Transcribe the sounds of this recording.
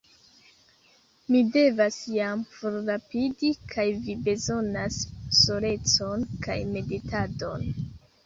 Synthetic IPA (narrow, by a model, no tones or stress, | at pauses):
mide̞vasjamfoɾɾapidikʰajvibe̞zo̞nasːoɾe̞t͡so̞nkajme̞ditʰado̞n